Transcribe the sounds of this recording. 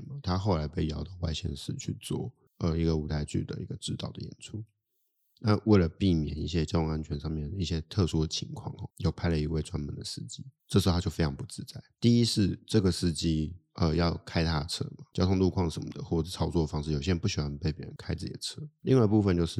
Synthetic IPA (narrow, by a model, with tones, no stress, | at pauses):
nma˨t̪ʰa˥xo˥˩ʊla˧˥ɪpe˥˩ɪjɑ˧˥ʊt̪ɑ˥˧wa̰˥˧ɪɕjɛ̰˥˧nʂɻ̩˥˧t͡ɕʰy̰˥˧t͡swɔ̰˥˩ | ʔə˧i˧˥ɡə˨u˧˥t̪ʰa˥˧ɪt͡ɕy̰˥˩d̪ə̰˩ḭ˧˥ɡə˧ʈ͡ʂɻ̩˥˧t̪ɑ˥˩ʊd̪ə̰˩jɛ̰˨˩nt͡sʰu˥ | na˥˧we˥˩lə˩pi˥˩mjɛ̰˨˩ni˥˩ɕjɛ˦˥t͡ɕɑ˥ʊjʊ˧˥˧ŋa˧˥nt͡ɕʰɥɛ˧˥nʂɑ˥˧ŋmjɛ˥˩nəi˥˩ɕjɛ˥t̪ʰɤ˥˧ʂu˥d̪ə˨t͡ɕʰi˧˦ŋkʰwɑ̰˥˩ŋ˨˩jo˥˩ʊpʰa˥˩ɪlə˩i˧˥we˥˩ɪt͡swa˥nmə˨nd̪ə˨ʂɻ̩˥˩t͡ɕi˥ʈ͡ʂɤ˥˩ʂ̩˧˥˧t͡ɕjo˥˩fe˥ɪɑ˧˥ŋpu˥˩t͡sɻ̩˥˧t͡sa˥˩ɪt̪i˥˧i˥ʂ̩˥˧ʈ͡ʂɤ˥˩ɡə˩ʂɻ̩˥˧t͡ɕi˥ə˧jɑ˥˩ʊkʰa˥ɪt̪ʰa˥t͡sʰɤ̰˥ma˩t͡ɕjɑ˥ʊt̪ʰʊ˥˧ŋlu˥˧kʰwɑ˥˨˩ŋʂə˧˥nmə̰˨d̪ə̰˦˩xwɔ˥˩ʂ̩˥˩t͡sʰɑ˥ʊt͡swɔ˥˩ə˩fɑ˥ŋʂɻ̩˥˩jo˨ʊɕjnpu˥˩ɕi˨˩xwa˥n˧pe˥˩ɪpjɛ̰˨˩˥ɻə̰˧˦nkʰa˥ɪt͡sɹ̩˥˩t͡ɕi˨˩d̪ə˨˩t͡sʰɤ˥li˥˧ŋwa˥˧ɪpu˥˧fə˧nt͡ɕjo˥˧ʊʂɻ̩˥˩